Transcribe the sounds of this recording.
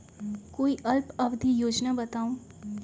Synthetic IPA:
koːiʔɐlpɐʋd̪ʱijoːd͡ʒnabɐt̪aːũ

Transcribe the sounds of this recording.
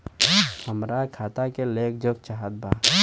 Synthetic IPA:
həmɾakʰaːt̪akeleːkʰd͡ʒək̚t͡ʃaɦət̪̚bʱaː

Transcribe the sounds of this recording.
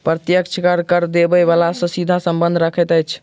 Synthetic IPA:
pɾət̪jəkt͡ʃʰkəɾkəɾd̪ebɛβalasɔ̃sid̪ʱasəmbə̃nd̪ʱɾəkʰɛt̪əjt͡ʃʰ

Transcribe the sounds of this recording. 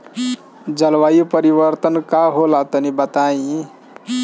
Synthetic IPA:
d͡ʒəlwajupəɾiβəɾt̪ənkaɦolat̪ənibət̪aĩ

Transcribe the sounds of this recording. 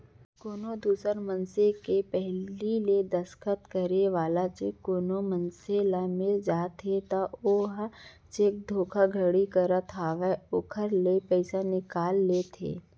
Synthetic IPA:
koːnod̪uːsəɾmə̃nsekepɛɦliled̪ɐskət̪kəɾeʋaːlat͡ʃeːkːoːnomənselamed͡ʒaːt̪et̪aoːɦa | t͡ʃeːk̚d̪ʱoːkʰaɡʱəɽikəɾət̪ʰɦaːʋɛokʰəɾlepɛɪsanɪkaːlːeːt̪ʰḛː

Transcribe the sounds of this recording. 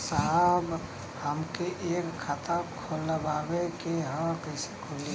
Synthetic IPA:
saɦb | həmkeʔeːkʰːat̪ãkʰoːləbaːɡekeɦə̃kəsekʰoli

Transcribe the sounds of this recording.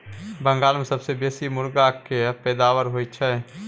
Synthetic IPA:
bə̃ŋɡaːlmesəbsebeːsimʊɾɡakepɛːd̪aːʋəɾɦoːit͡ʃʰɛ

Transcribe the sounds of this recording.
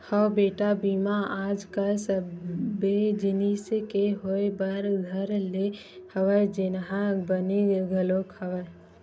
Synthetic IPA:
həwbeːʈabiːmaaːd͡ʒkasəbed͡ʒɪniːskeɦoebəɾɡʱəɾle | həʋəd͡ʒɪnɦabəneɡəloːkʰɐʋə

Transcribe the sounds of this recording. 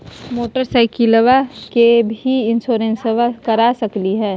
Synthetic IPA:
moːʈəɾsaɪkiləʋakebʱiɪnsoːɾẽnsəʋakɐɾasɐkliɦɛ̃ː

